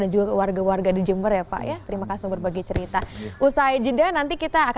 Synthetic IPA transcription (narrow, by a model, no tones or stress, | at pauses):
dand͡ʒuɡakəwarɡawarɡadid͡ʒəmbərjapa̰ʔjat̪əɾimakasit̪uŋbərbaɡajt͡ʃəɾit̪aʔusajd͡ʒidanant̪ikit̪aːk